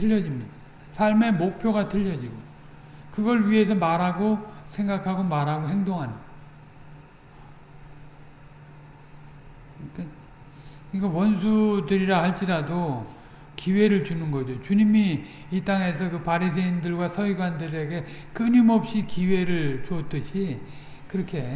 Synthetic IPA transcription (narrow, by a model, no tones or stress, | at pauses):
tʰɯʎːʌd͡ʑimɲida | sʰaɭme̞mok̚pʰjoɣatʰɯʎːʌd͡ʑiɡo | kɯɡʌɭɥiɦe̞s̬ʰʌmaɾɦaɡosʰe̞ŋɡakʰaɡomaɾɦaɡoɦe̞ŋdoŋɦanɯ | kawʌnsʰudɯɾiɾahaɭt͡ɕ͈iɾado | kiwe̞ɾɯɭt͡ɕunɯnɡʌd͡ʑot͡ɕuɲimiː | t͈aŋe̞s̬ʰʌkɯpaɾis̬ʰeindɯɭɡwasʰʌɥiɡwandɯɾe̞ɡe̞kɯnimʌp̚ɕ͈ikiwe̞ɾɯɭt͡ɕot͈ɯɕʰi | kɯɾʌkʰe̞